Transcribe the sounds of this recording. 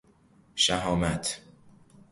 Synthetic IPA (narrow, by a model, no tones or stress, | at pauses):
ʃæɦɒːmæt̪ʰ